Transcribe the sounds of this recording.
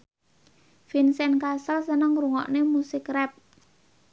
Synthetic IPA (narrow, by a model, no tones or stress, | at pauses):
finsɛnkasəlsənəŋɾuŋɔ̰ʔnemusɪkrɛp̚